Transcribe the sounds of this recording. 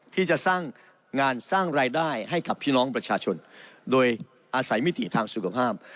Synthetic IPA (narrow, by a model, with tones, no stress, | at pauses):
t̪ʰiː˥˩t͡ɕa˨˩ʔsaː˥˩ŋː | ŋaː˧nsaː˥˩ŋɾaː˧jdaː˥˩jɦa˥˩jka˨˩pʰːiː˥˩nɔː˦˥ŋpɾa˧t͡ɕʰaː˧t͡ɕʰo˧ndoː˧j | ʔaː˧sa˩˦jmi˦˥˩t̪ḭ˨˩t̪ʰaː˧ŋsu˨˩kʰa˧pʰaː˥˩p̚